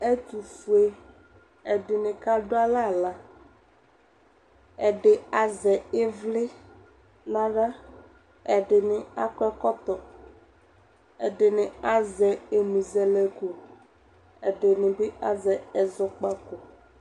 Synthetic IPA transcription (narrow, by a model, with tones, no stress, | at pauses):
ɛ˦t̪u˨fu˨e˦ | ɛ˨ɖɪ˨nɪ̃˨ka˦ɖo˦a˦la˦˨la˦ | ɛ˨ɖɪ˨a˨zɛ˨e˦vlɪ˦ | nã˦ɖa˦ | ɛ˨ɖɪ˨nɪ̃˨a˦kɔ˦ɛ˦kɔ˦t̪ɔ˨ | ɛ̰˨ɖɪ˨nɪ̃˨a˦zɛ˨e˨mĩ˨zɛ˨lɛ˨ko˨ | ɛ˨ɖɪ˨nɪ̃˨bɪ˦a˦˨zɛ˨ɛ˨zɔ˦k͡pa˦ko˨